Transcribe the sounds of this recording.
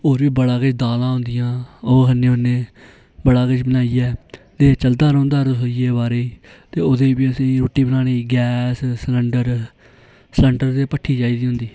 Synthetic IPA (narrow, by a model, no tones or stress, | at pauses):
oːɾbiːbəɽaːkət͡ʃd̪aːlãːɦʊ̃nd̪ɪjãːoːɦənːẽːɦoneː | bəɽaːkət͡ʃbənaːijɛːt̪eːt͡ʃəld̪aːɾə̃ːnd̪aːɾosoːieːbaːɾeːiːt̪eːod̪eːbiːəsĩːɾoːʈːiːbənaːneːɡɛːssləɳɖəɾ | sɛ̃ɳʈəɾt̪eːpəʈʰːiːd͡ʒaːiːd̪iːɦʊ̃nd̪iː